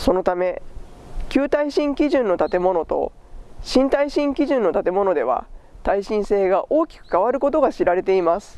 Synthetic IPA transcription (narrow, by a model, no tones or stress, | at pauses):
so̞no̞t̪ame̞ | kʲɨːt̪aiɕĩŋkʲiʑɨ̃nːo̞t̪at̪e̞mo̞no̞t̪o̞̰ | ɕĩnt̪aiɕĩŋkʲiʑɨ̃nːo̞t̪at̪e̞mo̞no̞d̪e̞βa̰t̪aiɕĩɰ̃se̞ːɡaʔo̞ːkʲi̥kɯ̟̥kaβ̞aɾɯ̟ko̞t̪o̞ɡaɕiɾaɾe̞t̪e̞imasɨ̥